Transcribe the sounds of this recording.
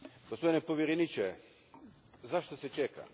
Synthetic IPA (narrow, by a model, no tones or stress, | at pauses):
ɡospod̪inepoʋʲjeɾenit͡ʃe | zaʃt̪oset͡ʃeka̰